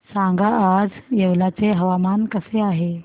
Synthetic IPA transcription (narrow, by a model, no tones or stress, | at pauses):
sãŋɡaʔad͡zjeʋlat͡seɦəʋamankəseaɦe